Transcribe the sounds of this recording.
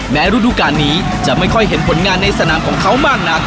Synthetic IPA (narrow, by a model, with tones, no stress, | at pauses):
mɛː˦˥ɾu˦˥duː˧kaː˧nːiː˦˥ | t͡ɕa˨˩ʔma˥˩jkʰɔ˥˩jɦe˩˦npʰo˩˦nŋaː˧nːa˧jsa˧naː˩˦mkʰɔː˩˦ŋkʰa˦˥wmaː˥˩k̚na˦˥k̚